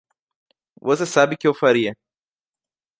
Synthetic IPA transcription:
vosesabɪkɪewfaɾiɐ

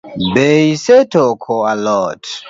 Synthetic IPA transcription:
beisetɔkʰɔalɔt

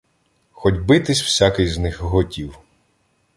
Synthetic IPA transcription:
xɔdʲbɪt̪ɪsʲw̥sʲakɪjznɪxɦɔtʲiw

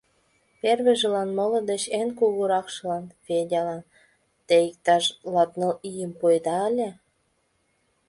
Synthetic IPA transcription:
perβeʒĕlɑnmolɤ̆d̪et͡ɕenkuɣuɾɑkʃəlɑnfedʲɑlɑn | t̪eik̚t̪ɑʃlɑt̪nəlijəmpojd̪ɑːlʲe

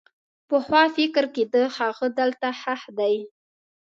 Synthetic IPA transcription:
pəxwɑfɪkɾked̪əhaɣəd̪əlt̪ahahd̪aj

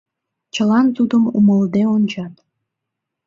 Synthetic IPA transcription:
t͡ɕəlɑnt̪ud̪əmuməld̪eonʲt͡ɕɑt̪

